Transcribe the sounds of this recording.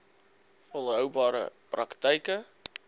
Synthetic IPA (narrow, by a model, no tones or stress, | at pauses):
fɔlˠɦœwbɑːɾə̰prɐktəjkə